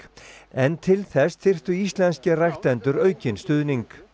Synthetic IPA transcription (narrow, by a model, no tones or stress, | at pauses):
ɛnt̪ʰɪlθɛst̪θɪr̥t̪ʏist̪lɛnscarajxt̪ɛnt̪ʏɾœːɥcɪnst̪ʏðniŋk